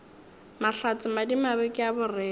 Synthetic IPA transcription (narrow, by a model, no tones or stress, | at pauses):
maɬat͡sʼɪmadimabekʼɪjabʊrɛː